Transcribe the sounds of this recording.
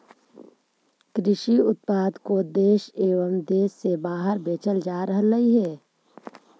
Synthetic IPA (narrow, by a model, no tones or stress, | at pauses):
kɾɪʃiʊt̪̚paːd̪kod̪eːʃeːʋəmd̪eːsːebaːɦəɾbeːt͡ʃəld͡ʒaːɾəɦləɦiɦɛː